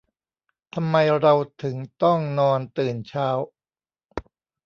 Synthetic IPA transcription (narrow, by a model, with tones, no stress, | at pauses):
t̪ʰa˧mːa˧jɾa˧wt̪ʰɯ˩˦ŋt̪ɔ˥˩ŋnɔː˧nt̪ɯː˨˩nt͡ɕʰaː˦˥w